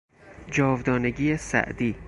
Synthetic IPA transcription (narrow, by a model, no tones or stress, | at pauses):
d͡ʒɒːvd̪ɒːneɟiːjesæ̰ʔd̪iː